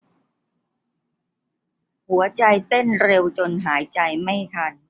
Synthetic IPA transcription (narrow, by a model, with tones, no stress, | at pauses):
hu˩˦ɐt͡ɕa˧jt̪e˥˩nɾe˧wt͡ɕo˧nɦaː˩˦jt͡ɕa˧jma˥˩jt̪ʰa˧n